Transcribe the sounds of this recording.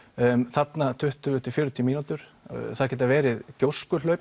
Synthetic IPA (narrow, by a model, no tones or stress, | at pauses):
θat̪nat̪ʰʏht̪ʏʏt̪ʰɪfjʏːɾʏt̪ʰimiːnut̪ʏɾ̥ | θaðcɛːt̪avɛːɾɪðcowskʏlœɥp